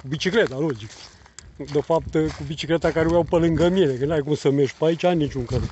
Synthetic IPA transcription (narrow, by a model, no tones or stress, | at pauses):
kubit͡ʃiklet̪alod͡ʒik | d̪efap̚t̪kubit͡ʃiklet̪akaɾeujawpəlɨŋɡəmienekənajk̬umsəmeʃpait͡ʃajnit͡ʃʲuŋkəl